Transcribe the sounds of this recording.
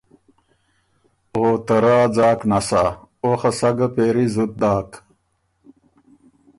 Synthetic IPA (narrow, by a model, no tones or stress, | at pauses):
oːt̪ɐɾaːd͡zaːknasaoxɐsɐɡɐpeːɾizut̪̚d̪aːk